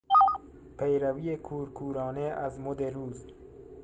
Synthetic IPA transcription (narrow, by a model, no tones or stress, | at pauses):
pʰejɾavijekʰuːɾkʰuːɾɒːneʔazmod̪eɾuːz